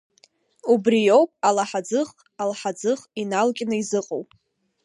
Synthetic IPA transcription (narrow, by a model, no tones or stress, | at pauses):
ubrijo̞wpʼalaħad͡zɨχ | alħad͡zɨχinalkʲʼnɨizɨqʼowpʼ